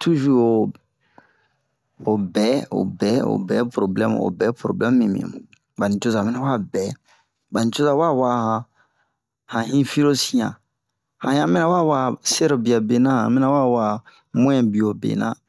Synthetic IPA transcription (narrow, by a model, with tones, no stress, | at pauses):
tu˦ʒu˦o˨ | o˨bɛ˨˦o̰˨bɛ˨˦o̰˨bɛ˨˦pɾo˨blɛ̃˦m̰˨o̰˨bɛ˨˦pɾo̰˨blɛ̃˦mː˦ĩ˨mḭ̃˨ | ba˨nĩ˨t͡ʃo˦za˨mɛ˦na˦wa˦bɛ˨˦ | ba˨nĩ˨t͡ʃo˦za˨wa˦wa˦hã˨ | hã˨hĩ˦fi˦ɾo˦sĩ˦ã̰˨ | hã˨jã˦˨mɛ̃˦na˦wa˦wa˦sɛ˦ɾbi˨a˨be˨nã˦ã̰˨mɛ˦na˦wa˦wa˨˦ | mõ˦ɛ̃˨bi˨o˨bḛ˨nã̰˦˨